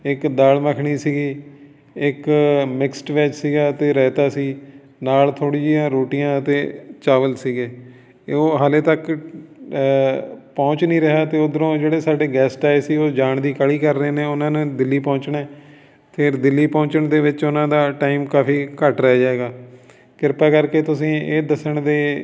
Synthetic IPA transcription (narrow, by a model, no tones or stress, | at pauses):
ɪkd̪aːlməkʰɳ̃iːsiːɡiː | ɪkmɪksʈʋɛːt͡ʃsiːɡaːt̪eːɾɛːt̪aːsiː | naːlt̪ʰoːɽiːd͡ʒjãːɾoːʈijãːət̪eːt͡ʃaːʋəlsiːɡeː | oːɦaːleːt̪ək | pɔ̃ːt͡ʃnĩːɾəɦaːt̪eːod̪əɾõːd͡ʒeːɽeːsaːɖeːɡɛːsʈaːsiːoːd͡ʒaːɳd̪iːkəɭiːkəɾːeːneːʊnãːnẽːd̪ɪlːiːpɔ̃ːt͡ʃɳɛː | p̪ʰɪɾd̪ɪlːiːpɔ̃ːt͡ʃəɳd̪eːʋɪt͡ʃʊnãːd̪aːʈaːiːmkaːfiːkəʈɾəɦaːd͡ʒaːeːɡaː | kɪɾpaːkəɾkeːt̪ʊsĩːeːd̪əsəɳd̪eː